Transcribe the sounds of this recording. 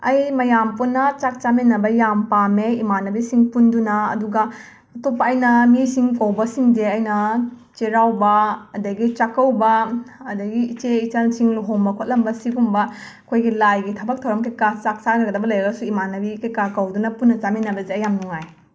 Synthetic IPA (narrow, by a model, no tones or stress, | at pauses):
ɐjmɐjampunːɐt͡ʃak̚t͡ʃamenːɐbɐjampameimanɐbisiŋpundunɐ̰ːduɡɐ | ɐtopːɐːjnɐmisiŋkɐwbɐsiŋdeɐjnɐt͡ʃeɾawbɐːdɐɡit͡ʃakːɐwbɐːdɐɡiːt͡ʃeit͡ʃansiŋluɦombɐkʰot̚lɐmbɐsiɡumbɐ | kʰojɡilajɡitʰɐbɐk̚tʰɐwɾɐmkekat͡ʃak̚t͡ʃaɾɐɡɐdɐbɐlɐjɾɐɡɐsuimanɐbikekakɐwdunɐpunːɐt͡ʃamenːɐbɐzeɐjamnuŋaj